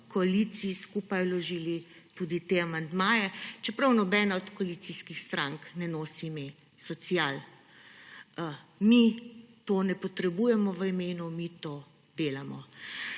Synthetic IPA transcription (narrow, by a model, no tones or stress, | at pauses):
kɔalit̪siiskuːpajlɔʒiːlit̪uːd̪it̪eamand̪maːjɛt͡ʃɛpɾawnɔbɛːnaɔt̪kɔalisiskixst̪ɾaŋknɛnoːsime | sɔsijal | mit̪onɛpɔt̪ɾɛbuːjɛmɔʋəimeːnumit̪oː | d̪eːlamɔ